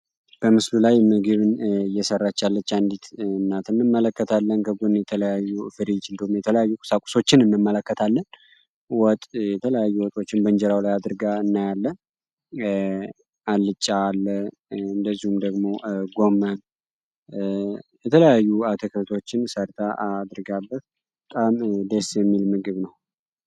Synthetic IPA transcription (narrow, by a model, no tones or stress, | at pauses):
b̥əmɨslulajmɨɡɨβɨnjɛsərːat͡ʃːalːət͡ʃːand̪it̪nːat̪ʰɨnːɨmːələkːət̪ʰalːənkʰəɡonjɛt̪ʰələjajːufɨɾit͡ʃɨnd̪əhumjɛt̪ʰələjajːukʼʊ̥sakʼʊ̥so̞t͡ʃːɪnɨnːɨmːələkːət̪ʰalːən | wɔt̪ʼjɛt̪ʰələjajːuwɔt̪ʼo̞t͡ʃːɪnbənd͡ʒɛɾawlajad̪ɨɾɡaɨnːajalːə | alːɨt͡ʃʼːaːlːə | ɨnd̪əzːihumd̪əɡmo̞ɡo̞mːən | jɛt̪ʰələjajːuat̪ʰəkʰət̪ʰo̞t͡ʃːɪnsəɾt̪ʰaad̪ɾɡabːət̪̚ | bət̪ʼamd̪əsjɛmːilmɨɡɨβnəw